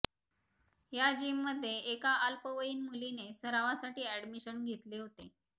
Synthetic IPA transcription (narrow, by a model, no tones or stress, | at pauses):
jad͡ʑimːəd̪ʱːjeʔːkaalpəʋəiːnmulinesəɾaʋasaʈiːæɽmiɕənɡʱet̪leɦot̪e